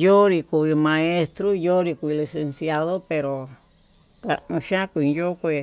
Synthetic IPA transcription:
jo˦ɾi˧ku˧i˧mã˧e˧st̪ɾo˦jo˦ɾi˧ku˧i˧li˧se˧nsja˧ðo˦pe˧ɾo˨ | ka̰˨˧ũ˧ʃã˦kʷːjo˦kʷi˧˨

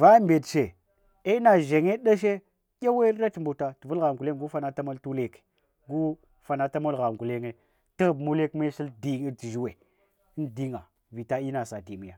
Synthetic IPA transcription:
va˦mbe˨tʃe˨ | e˦na˨ʒe˨ŋe˦ɗa˦ʃ̬e˦ | kʲe˦we˦ɾa˦tmbu˨ta˨ti˨vu˦lɣa˨ŋɡu˨le˦ŋɡu˦fa˦na˦ta˦ma˦ltu˦le˦ke̥˨ | ɡu˦ | fa˨na˨ta˦mo˦lɣa˨ŋɡu˨le˦ŋe˦ | ti˦ɣbmu˦le˦kme˦ʃi˦ldi˦ŋe˦ti˨ʒi˦we˨˦ | ndi˦ŋa˨ | vi˨ta˦i˦na˨sa˨ti˨mi˦ja˨

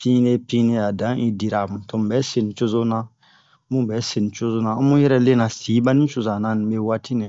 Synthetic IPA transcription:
pĩ˦ne˦pĩ˦nĩ˦a˨dã˨˦ĩ˦di˨ɾa˨mũ˨tõ˨m˨bɛ˨˦se˨nĩ˨t͡ʃo˦zo˦nã˦ | mũ˦bɛ˨˦se˨nĩ˨t͡ʃo˦zo˦nã˨˦mũ˦jɛ˦ɾɛ˦le˦nã˨si˨˦ba˦nĩ˦t͡ʃo˨zã˨nã˨˦nĩ˨be˦wa˦ti˦nɛ̃˨

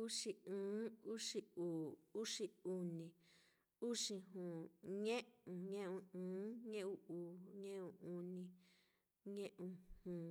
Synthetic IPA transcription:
u˦ʂi˧ɨ̃ː˨˦u˦ʂi˧uː˨u˦ʂi˧u˧nĩ˨ | u˦ʂĩ˧ɦũ˨ɲẽ˦ũ˨ɲẽ˦ʔũ˧ɨ̃ː˨˦ɲẽ˦ʔu˧uː˨ɲẽ˦ʔũ˧˨u˧nĩ˧ | ɲẽ˦ʔũ˧hũ˨

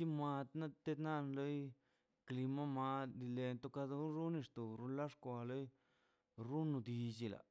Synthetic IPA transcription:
t͡ʃi˦ma˧t̪na˦t̪e˦d̪na˦nlo˦j | kli˧ma˦ma˧d̪i˧le˧nt̪o˦ka˧d̪u˧˦ɾu˦ni˧ʂt̪o˨ɾu˦nla˦ʂkʷa˧lo˦j | ɾu˦nu˧d̪i˧d͡ʒi˧la̰˨

